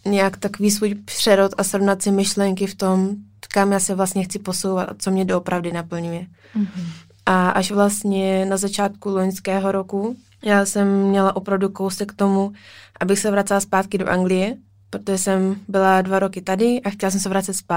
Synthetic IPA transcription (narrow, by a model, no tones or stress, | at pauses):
ɲɛjakt̪akoviːs̬vuːjpr̥ɛɾot̪asɾo̞vnat̪sɪmɪʃlɛŋkɪft̪o̞m | kamjaːsɛvlast̪ɲɛxt͡sɪpo̞so̞wvat̪a̰t͡so̞mɲɛdoopɾavdɪnapl̩ɲujɛ | ʔaʔaʃvlast̪ɲɛnazat͡ʃaːt̪kuloɲskɛːɦo̞ɾo̞ku | jaːsɛmːɲɛlaʔopɾavdukowsɛkt̪o̞muʔabɪxsɛvɾat͡sɛlaspaːt̪kɪdo̞ʔaŋɡlɪjɛ | pɾot̪oʒɛsɛmbɪladvaɾo̞kɪt̪adɪʔaxcɛlas̬ɛms̬ɛvɾat͡sɛt̪spaː